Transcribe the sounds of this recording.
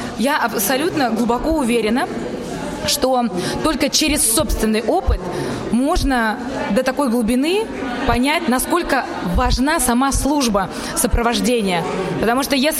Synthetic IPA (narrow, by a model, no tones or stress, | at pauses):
jaʔɐpsɐlʲut̪nəɡlˠʊbɐko̞ʊvʲeɾʲɪnə | ʂt̪o̞t̪o̞lʲkət͡ɕeɾʲɪsːo̞pst̪vʲɪnːɨjʔo̞pɨt̪ | mo̞ʐnə | d̪ət̪ɐko̞jɡlˠʊbʲɪnɨ | pɐnʲætʲnɐsko̞lʲkə | vɐʐnasɐmaslˠuʐbə | səpɾəvɐʐdʲenʲɪjəpət̪ɐmuʂt̪ojes